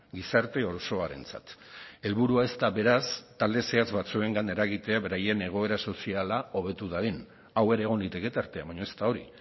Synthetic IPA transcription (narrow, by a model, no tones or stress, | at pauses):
ɡisaɾt̪e̞o̞ɾso̞aɾe̞̰nt͡sa̰t̪e̞lβuɾuae̞st̪aβe̞ɾast̪ald̪e̞se̞at͡sβat͡sue̞ŋɡane̞ɾaɣit̪e̞aβe̞ɾaje̞ne̞ɣ̞o̞e̞ɾaso̞sialao̞β̞e̞t̪uðaɾen | aweɾe̞ːɣ̞o̞nlit̪e̞ke̞t̪aɾt̪e̞aβaɲoest̪ao̞ɾḭ